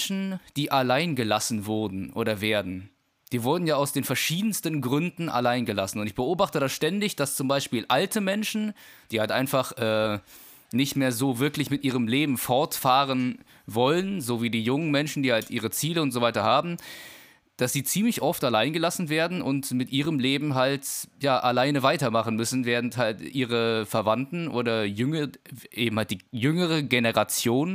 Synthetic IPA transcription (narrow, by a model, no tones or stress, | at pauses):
ʃn̩d̥iːʔalaɪnɡəlasn̩vʊɐdn̩ʔo̰ːɾɐveːɐdn̩ | d̥iːvʊɐdn̩jaːaʊsd̥eːnfɛɐʃiːdn̩stənɡʁʏndn̩ʔa̰laɪnɡəlasn̩ʊntɪçb̥əʔoːbaχtədasʃtɛndɪçd̥ast͡sʊmbaɪʃpiːlʔaltʰəmɛnʃn̩d̥iːhaltʔaɪnfaχʔɛː | nɪçtmeːɐzoːvɪɐklɪçmɪtʔiːʁ̞əmleːbm̩fɔɐtfaːʁən | vɔlənzoːviːdiːjʊŋənmɛnʃn̩diːhaltʔiːʁ̞ət͡siːləʊntz̥oːvaɪtɐhaːbm̩ | d̥asz̥iːt͡siːmlɪçʔɔftalaɪnɡəlasn̩veːɐdn̩ʔʊntmɪtʔiːʁ̞əmleːbm̩ɦaltjaːʔalaɪnəvaɪtɐmaχn̩mʏsn̩veːɐʁn̩thaltʔiːʁ̞əfɛɐvantn̩ʔo̰ːdɐjʏŋəʔeːbm̩halt̚d̥iːjʏŋəʁ̞əɡenəʁat͡sjoːn